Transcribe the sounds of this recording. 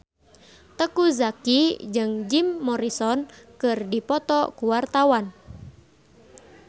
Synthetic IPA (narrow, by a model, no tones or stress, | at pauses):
t̪əkuzakid͡ʒɨŋd͡ʒimːɔɾisɔnkɨrdipɔt̪ɔkuwart̪awan